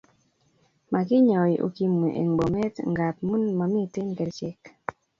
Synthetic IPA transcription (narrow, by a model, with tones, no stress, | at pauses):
ma˨kɪ˦ɲɔ˨ʔo̰˨ki˨me˨ʔḛ˨ŋbo˨mɛ˦tŋɡa˨t̚mu˦nma˨mɪ˦tɪ˦nkɛ˨ɾt͡ʃɪ˦k